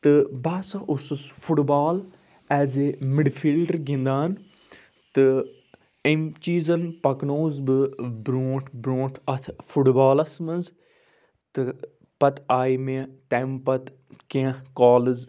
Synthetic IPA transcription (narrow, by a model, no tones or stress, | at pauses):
t̪ɨbaːsɐʔususfʰuʈbaːl | ɛːzemɪɖfʰilɖəɾɡĩnd̪aːn | t̪ɨ | emt͡ʃiːzɐnpɐknoːzbɨbɾoːʈʰbɾoːʈʰɐt̪ʰfʰuʈbaːlɐsmɐnz | t̪ɨ | pɐt̪aːimet̪ɛːmpɐt̪ | kẽkɔːlɨz